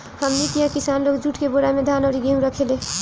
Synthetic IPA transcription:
həmnikijakisanloɡd͡ʒʱuʈkeboɾamed̪ʱanɔːɾiɡeũɾəkʰele

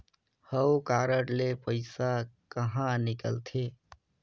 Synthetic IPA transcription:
həwkaɾəɽlepəɪsakəɦãnikə̰lt̪ʰe

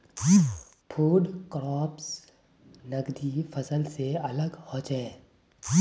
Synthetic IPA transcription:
pʰuːɖkɾɔːps | nɐɡd̪ifʰɐsəlseɐləɡhɔ̃ːt͡ʃɛ̃ː

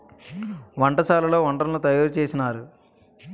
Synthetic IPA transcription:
ʋɐɳʈɐt͡ʃaːlɐlo̞ːʋɐɳʈɾɐlnut̪ɐjaːɾut͡ʃeːsinaːɾu

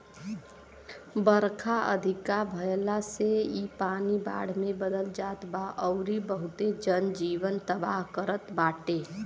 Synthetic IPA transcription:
bəɾkʰaʔə̰d̪ʱɪkabʱəjlaseipaːniba̰ːɽ̤mẽbəd̪əld͡ʒaːt̪baʔɔʊɾibəɦʊt̪ed͡ʒənd͡ʒiːʋənt̪əbaːɦkəɾət̪baːʈeː

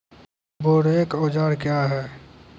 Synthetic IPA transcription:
boːɽekoːd͡ʒaːɾkjaɦɛː

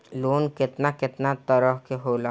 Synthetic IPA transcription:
loːnkɪt̪nakɪt̪nat̪əɾəɦkeɦoːla

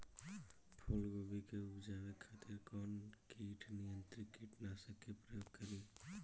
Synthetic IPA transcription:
pʰolɡobikeupd͡ʒabekʰat̪iɾkɔnkiʈʰnijənt̪ɾikiʈʰnasəkepɾəjoɡ̚kəɾi

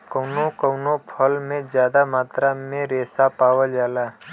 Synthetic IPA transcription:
kəʊnokəwnopʰəlmẽd͡ʒjaːd̪amaːt̪ɾamẽɾeːsapaːʋəd͡ʒaːlaː

